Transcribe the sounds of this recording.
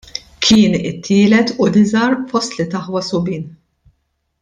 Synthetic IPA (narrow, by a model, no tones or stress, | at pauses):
kʰɪːnɪt̪ʰːɪːlɛt̪ʊlɪzɐɾfɔst̪lɪt̪ɐħwɐsʊbiːn